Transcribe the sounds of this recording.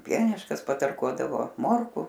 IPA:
ˈpʲiɛnʲɪʃkɐs pɐtɐrˈkuɔdɐʋoː ˈmoːrkʊ

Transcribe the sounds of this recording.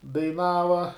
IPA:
dɐɪˈnɑːʋɐ

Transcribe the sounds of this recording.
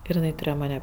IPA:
ɪr ɪˈnɐɪ tʊˈrʲeːjoː ˈmɑːnʲɛ

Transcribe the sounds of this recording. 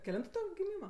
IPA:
kʲɛˈlʲɪntʊ ˈtʊ ɡʲɪˈmʲiːmɐ

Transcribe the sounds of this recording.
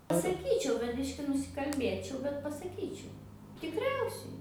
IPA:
pɐsɐˈkʲiːt͡ʃʲɛʊ bʲɛt ˈbʲɪʃʲkʲɪ nʊsʲɪkɐlʲˈbʲeːt͡ʃʲɛʊ bʲɛt pɐsɐˈkʲiːt͡ʃʲɛʊ tʲɪkˈrʲɛʊsʲɛɪ

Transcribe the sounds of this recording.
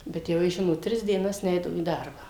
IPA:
bʲɛt jɛʊ ˈjɪs ˈʒʲɪnoːt ˈtʲrʲɪs dʲiɛˈnɐs ˈnʲɛɪdɐʋoː iː ˈdɐrbɑː

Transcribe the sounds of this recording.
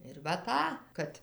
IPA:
ɪr ʋɐ ˈtɑː ˈkɐt

